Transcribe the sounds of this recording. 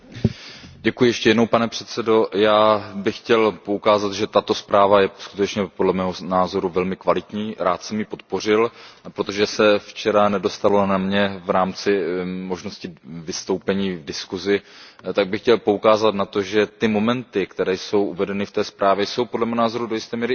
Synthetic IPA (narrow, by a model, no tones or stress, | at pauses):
ɟɛkujɪjɛʃcɛjɛdno̞wpanɛpr̝̥ɛt̪sɛdo̞jaːbɪxcɛlpo̞ukaːzat̪ʒɛt̪at̪o̞spɾaːvajɛskut̪ɛt͡ʃɲɛpodlɛmɛːɦo̞naːzo̞ɾuvɛlmɪkvalɪt̪ɲiːɾaːt̪sɛmjɪpo̞t̪̚po̞r̝ɪlpɾot̪o̞ʒɛsɛft͡ʃɛɾanɛdo̞st̪alo̞namɲɛvɾaːmt͡sɪmo̞ʒno̞scɪvɪst̪o̞wpɛɲiːvdɪskuzɪt̪aɡ̚bɪxcɛlpo̞ukaːzat̪nat̪o̞ʒɛt̪ɪmo̞mɛnt̪ɪkt̪ɛɾɛːjso̞wʔuvɛdɛnɪft̪ɛːspɾaːvjɛjso̞wpo̞dlɛmɛnaːzo̞ɾudojɪst̪ɛːmiːɾɪ